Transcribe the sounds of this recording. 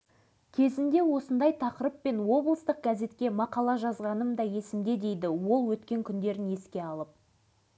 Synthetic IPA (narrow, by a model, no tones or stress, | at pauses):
kʲʰe̞zɪnd̪e̞wo̞sənd̪ɑjt̪ʰɑqəɾəpːe̞nwo̞blˠəst̪əq̚ɡaze̞t̪kʲe̞mɑqɑlˠɑʒɑzʁɑnəmd̪ɑje̞sɪmd̪e̞d̪e̞jd̪ɪwo̞lˠwɵt̪kʲe̞ŋkʲʰʏnd̪e̞ɾɪne̞skʲe̞ɑlˠəp̚